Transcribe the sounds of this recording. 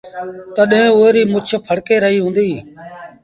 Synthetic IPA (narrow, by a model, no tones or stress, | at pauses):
t̪əɗɦẽːʊːeːɾiːmʊt͡ʃʰpʰəɽkeːɾəɦiːɦũːnd̪iː